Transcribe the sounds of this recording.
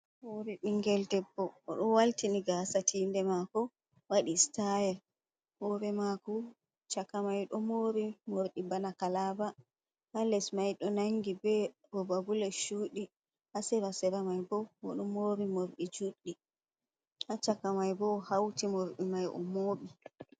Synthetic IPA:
hoɾɛɗiŋɡɛldɛbːɔːɗɔwaltiniɡasatʰiːndɛmakɔ | waɗistajɛɾ | hɔɾɛmakɔ | t͡ʃakamajɗɔmoːɾimoɾɗibanakalaba | ʔalɛsmajɗɔnaŋɡibɛ | ɾɔbabulɛʃuːɗi | ʔasɛɾasɛɾamajbɔwɔ̰ɗɔmoɾimoɾɗid͡ʒuɗːi | ʔat͡ʃakamajbɔhawtimoɾɗimajʔɔ̰moːɓi

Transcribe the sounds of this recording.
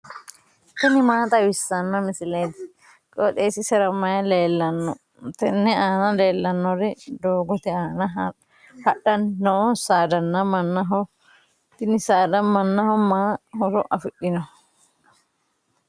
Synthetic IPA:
t̪ɪnɪmaːt̪ʼɐwɪsːɐnːɐmɪsɪleːt̪ɪ | kʼɔt̪ʼeːsɪsɛɾɐmːɐjɐleːlːɐnːɔ | t̪ɛnːɛaːnɐle̞ːlːɐnːɔɾɛd̪oːɡɔt̪ɛaːnɐ | hɐɗɐnːɔɔsaːd̪ɐnːɐmɐnːɐɦɔ | t̪ɪnɪsaːd̪ɐmɐnːɐhɔmaːhɔɾɔʔɐfɪɗɪnɔ

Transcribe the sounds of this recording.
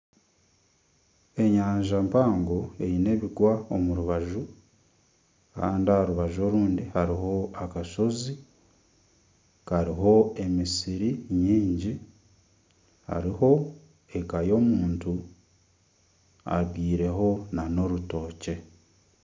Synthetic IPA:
e̞ɲaːɲʒampaːŋɡoe̞jine̞ːβiɡwaomuɾuβaʒu | ka̰ːndiaɾuβaʒo̞ɾuːndihaɾiɦo̞akaʃo̞zi | kaɾiɦo̞e̞misiɾiɲiːɲɟi | ha̰ɾiho̞ | e̞kajo̞ːmuːntu | a̰ɡiːɾe̞ɦo̞nano̞ɾuto̞ːce̞

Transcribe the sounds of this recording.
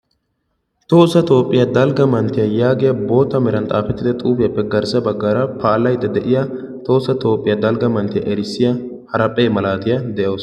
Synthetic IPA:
t̪oːsːɐt̪ʼo̞ːpʼːɪjɐd̪ɐlɡɐmɐnt̪ːɪjɐjaːɡɪjɐbo̞ːt̪ːɐmɛɾɐnt̪ʼaːfɛt̪ːɪd̪ɛt̪ʼuːfɪjɐpːɛɡɐɾsɐbɐɡːaːɾɐpʰaːlɐjd̪ːɐd̪ɛʔɪjɐ | t̪o̞ːsɐt̪o̞ːpʼːɪjɐd̪ɐlɡɐmɐnt̪ɪjɐ̰ʔɛɾɪsːɪjɐ | hɐɾɐpʼːeːmɐlaːt̪ɪjɐd̪ɛʔɐːs

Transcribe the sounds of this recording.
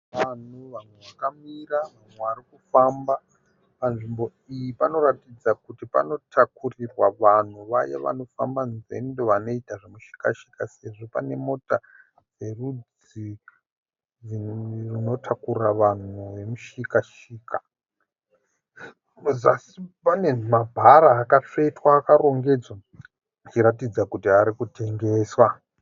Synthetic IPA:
ʋan̤uʋamweʋakamiraʋamwe̞ʋarikufamba | panʐimbo̞ | ijipano̞ɾatid͡zakutipa̰no̞tʰakurirwaʋan̤uʋaja̰ʋa̰no̞fambanze̞̰ndo̞ʋano̞itaʐemuʃi̥ka̰ʃi̥kase̞ʐo̞pane̞mo̞ta | d͡ze̞rud͡z | i | ririno̞tʰakuraʋan̤uʋe̞muʃikaʃ | iːka | zasipane̞mabʱaɾaːkat͡ʂetwaːkaɾo̞ŋɡe̞d͡zwa | d͡ʒiɾatid͡zakutiaɾikute̞ŋɡe̞ːswa

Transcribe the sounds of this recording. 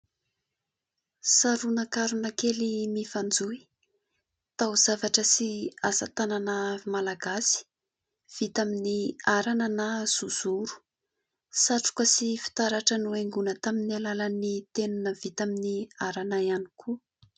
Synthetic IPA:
saɾunakaɾunakelimifand͡zui | t̪awz̥avaʈ͡ʂəsiazat̪ananamalaɡasi̥ | v̥it̪aminiaɾanənaz̥uz̥uɾu̥ | saʈ͡ʂu̥kəsifi̥t̪aɾaʈ͡ʂənueŋɡunət̪aminialalanit̪enunəvit̪aminiaɾanajanikʰu

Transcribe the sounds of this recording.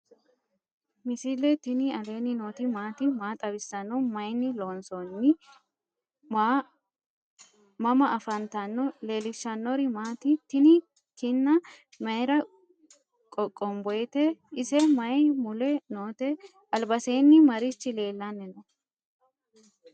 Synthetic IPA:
mɪsɪlɛt̪ɪnɪɐleːnɪnoːt̪ɪmaːt̪ɪmaːt̪ʼɐbɪsːɐnɔmɐjnːɪlo̞ːnsɔnːɪ | mɐmɐʔɐfɐnt̪ɐnːɔle̞ːlɪʃːɐnːɔɾɪmaːt̪ɪt̪ɪnɪ | t̪ɪnːɐ | mɐjɾɐ | kʼɔkʼːɔmbɔjt̪ɛɪsɛmɐjmʊlɛnoːt̪ɛ | ʔɐlbɐseːnːɪmɐɾɪt͡ʃːɪle̞ːlːɐnːɛnɔ

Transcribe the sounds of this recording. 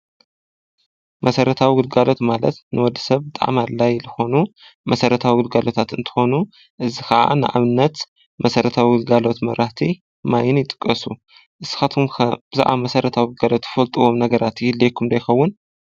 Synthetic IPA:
mʔɐsɐɾɐt̪ʰawiɡɨlɡalo̞t̪malɐt̪nɨwɔd̪ːi̥sɐβbɨt̪ʼa̰ʕmalajlɨxo̞numɐsɐɾɐt̪ʰawiɡɨlɡalo̞t̪ʰat̪ɨnt̪ʰɨ̥xo̞nu | ʔɨzixɐʔa̰nɨʔa̰βɨnːɐt̪ | mɐsɐɾɐt̪ʰawiɡɨlɡalo̞t̪mɐ̰ɾaht̪ʰi | majɪnjɪt̪ʼɨ̥kʼːɐsu | ʔɨsxat̪ʰumkʰɐb̥ɨza̰ʔamɐsɐɾɐt̪ʰawiɡɨlɡalo̞t̪ɨ̥fɐlt̪ʼuwomnɐɡɐɾat̪jɪlːekʰumd̪ɐjxɐwːʊn

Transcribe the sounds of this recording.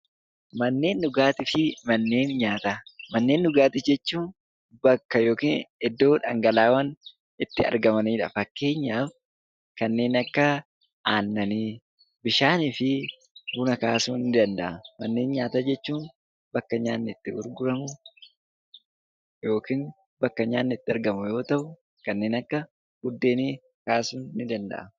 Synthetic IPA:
mɐnːe̞ːnːʊɡaːt̪ɪfɪmɐnːe̞ːnɲaːt̪amɐnːe̞ːnːʊɡaːt̪ɪd͡ʒɛt͡ʃːuːn | bɐkːɐjo̞ːkiːnɪd̪ːo̞ːᶑɐ̰ŋɡɐlaːwɐn | ɪt̪ːɪɐ̰ɾɡɐmɐniːᶑɐ̰fɐkːe̞ːɲːaːf | kɐnːe̞ːnɐkːɐ | ʔaːnːɐniː | bɪʃaːniːfɪ | ɡʊnɐkaːsuːnːɪd̪ɐnd̪ɐ̰ʔɐmɐnːeːnɲaːt̪ɐd͡ʒɛt͡ʃːuːn | bɐkːɐɲaːnːɛɪt̪ːɪɡʊɾɡʊɾɐmʊ | jo̞ːkiːn | bɐkːɐɲaːnːɛt̪ːɪɐɾɡɐmʊjo̞ːt̪ɐʔʊ | kɐnːeːnɐkːɐ | ɡʊd̪ːeːniː | kaːsuːnːɪd̪ɐnd̪ɐ̰ʔɐ

